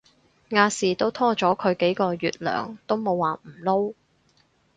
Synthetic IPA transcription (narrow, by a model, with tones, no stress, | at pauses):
ŋaː˧siː˨t̪o˥wt̪ʰɔː˥t͡ʃɔː˨˥kʰɵ˨˧ɥke˨˥jkɔː˧jyː˨t̚lœ̰ː˨˩ŋt̪o˥wmo˨˧wːaː˨m̩˨˩lo˥w